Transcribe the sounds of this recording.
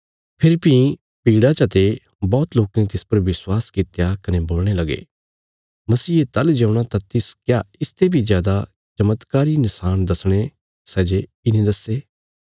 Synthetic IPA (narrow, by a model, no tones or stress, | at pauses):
pʰɪɾpĩ | piːɽat͡ʃɐt̪e | bɔːt̪loːkẽt̪ɪspɐɾʋɪswaːskɪt̪jakɐneboːlɽ̃elɐɡḛː | mɐsiːet̪ɐld͡ʒɐ̃ːʊɽ̃at̪ãt̪ɪskjaɪst̪ebʱizjaːd̪a | t͡ʃɐmːət̪kaːɾinɪsaːnd̪ɐsɽ̃e | sɛːd͡ʒe | ɪnẽd̪ɐseː